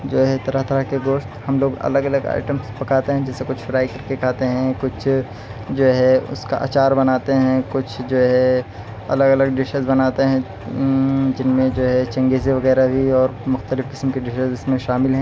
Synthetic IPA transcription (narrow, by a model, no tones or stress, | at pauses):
d͡ʒoːɦɛt̪ɐɾəɦt̪ʰəɾəkeɡoːʃt̪hɐmloːɡɐ̰ləɡələɡa̰ːɪʈəmspɐkaːt̪eɦɛ̃d͡ʒɛːsekʊt͡ʃʰfɪɾaːikɐɾkekaːt̪eɦɛ̃kʊt͡ʃʰ | d͡ʒoːɦɛʊ̰ska̰ʔa̰ːt͡ʃaːɾbɐnaːt̪eɦɛ̃kʊt͡ʃʰd͡ʒoːɦɛ | ɐ̰ləɡələɡ̚ɖɪʃəzbɐnaːt̪eɦɛ̃ | d͡ʒɪnmẽd͡ʒoːɦɛt͡ʃɐ̃ŋɡeseʋɐɣɛːɾabʱiɔːɾmʊxt̪əlɪfkɪ̥smkeɖɪʃəzɪsmẽʃaːmɪlɦɛ̃ː